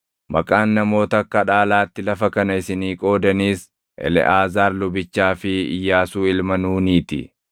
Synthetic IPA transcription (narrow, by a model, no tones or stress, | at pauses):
mɐ̰kʼaːnːɐmo̞ːt̪ɐkːɐᶑaːlaːt̪ːɪlɐfɐkɐnɐɪsɪniːkʼo̞ːd̪ɐniːs | ʔɛ̰lɛ̰ʔaːzaːɾlʊbɪt͡ʃːaːfɪɪ̰jːaːsuːɪlmɐnuːniːt̪ɪ̰